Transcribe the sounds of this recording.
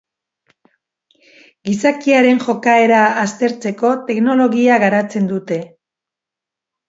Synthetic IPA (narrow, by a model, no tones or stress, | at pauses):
ɡisakiaɾe̞nʝo̞kae̞ɾaːst̪e̞ɾt͡se̞ko̞t̪e̞kno̞lo̞ɣiaɣaɾat͡se̞nd̪ut̪e̞